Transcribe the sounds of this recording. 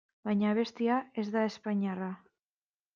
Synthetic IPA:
baɲaβest̪iaezðaespaɲara

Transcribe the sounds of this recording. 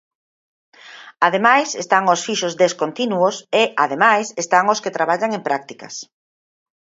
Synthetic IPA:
aðemajsest̪aŋosfiʃʊzd̪eskont̪inuoseʔaðemajsest̪aŋosket̪ɾaβaʎaŋempɾak̚t̪ikɐ̰s

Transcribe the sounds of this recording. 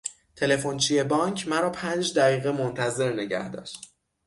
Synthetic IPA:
t̪ʰe̞le̞font͡ʃʰie̞bɒːŋkʰmæɾɒːpʰænd͡ʒd̪æɣiːɣemont̪ʰæze̞ɾne̞ɟæ̰hd̪ɒ̰ːʃt̪

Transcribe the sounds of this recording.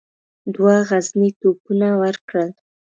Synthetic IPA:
d̪waɣaznit̪okunawəɾkɽəl

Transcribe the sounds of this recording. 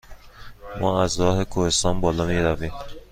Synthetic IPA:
mɒːæzɾɒːhe̞kʰohe̞st̪ɒːnbɒːlɒːmiːɾæviːm

